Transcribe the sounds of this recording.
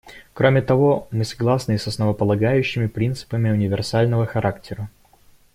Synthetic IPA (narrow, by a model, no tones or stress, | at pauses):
kɾo̞mʲɪt̪ɐvo̞mɨsɐ̥ɡlˠasnɨsɐsnəvəpəlˠɐɡajʉɕːɪmʲɪpɾʲint̪sɨ̥pəmʲɪʊnʲɪvʲɪrsalʲnəvəxɐɾʔaktʲɪɾə